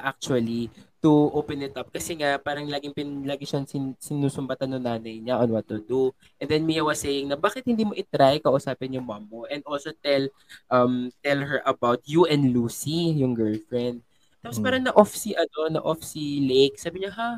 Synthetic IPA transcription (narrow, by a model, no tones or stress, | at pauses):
ʔak̚t͡ʃuɐlit̪ʊʔopɛnɪt̪ɐp̚kɐsɛŋapaːɾɐŋlaːɡɪŋpɪnlaːɡɪʃɐŋsɪsɪnuːsʊmbɐt̪ɐnːʊŋnaːnɐjɲɐʔonwɐt̪ːʊd̪u | ʔɛnd̪ɛnmiɐwɐsːejɪŋnɐbaːkɪt̪̚hɪnd̪iːmo̞ʔɪt̪ɾajkɐʔʊsaːpɛnjʊŋmamːoʔɛ̃nd̪ʔolsot̪ɛl | ʔɐmt̪ɛlɦɛɹʔɐbawt̪̚juʔɛ̃nd̪luːsijʊŋɡɛɹlfɹɛnd̪̚ | t̪aːpospaːɾɐŋnɐʔofsiʔɐno̞nɐ̰ʔofsilejk̚saːbɪɲɐɦa